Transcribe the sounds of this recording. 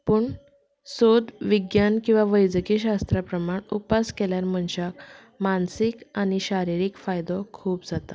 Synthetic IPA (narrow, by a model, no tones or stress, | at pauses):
puɳ | sod̪ʋiɡjankĩw̃ʋaʋəjd͡zəkiɕast̪ɾapɾəmaɳupaskeljaɾm̤əɳɕak | mansikañiɕaɾiɾiːkfajd̪ɔkʰuːpd͡zat̪a